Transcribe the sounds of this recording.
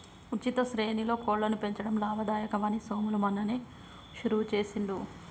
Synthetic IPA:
ut͡ʃːit̪ɐʃɾe̞ːnilo̞ːkoːɭːlːɐnupe̞ɲt͡ʃɐɽɐmlaːʋɐd̪aːjɐkɐʋaːnisoːmulumɐnːɐneː | ʃuɾuːt͡ʃe̞ːsiɳɖ̪u

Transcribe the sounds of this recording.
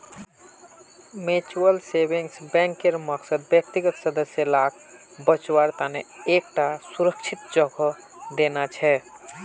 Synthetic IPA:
met͡ʃuəlsebiŋsbɛ̃ŋkːeɾməksəd̪̚bjək̚t̪iɡət̪səd̪əsjəlak | bət͡ʃwaɾt̪aneek̚ʈasuɾəkt͡ʃʰit̪d͡ʒəɡʱə | d̪enat͡ʃʰɛ

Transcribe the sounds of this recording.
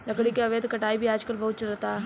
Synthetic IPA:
lɐkɽikeɐʋeːd̪ʱkɐʈaːibʱiaːd͡ʒkɐlbɐɦʊt̪̚t͡ʃɐlət̪a

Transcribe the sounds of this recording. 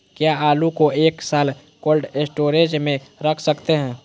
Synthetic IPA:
kjaalukoeːksaːl | koːlɖesʈoɾed͡ʒmẽɾəkʰsəkt̪eɦɛ̃ː

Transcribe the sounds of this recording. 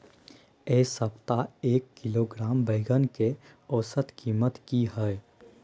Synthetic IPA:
eːsəpt̪aeːkːɪloɡɾaːmbəɪɡənke | ɔːsət̪kiːmət̪kiɦɛɛ

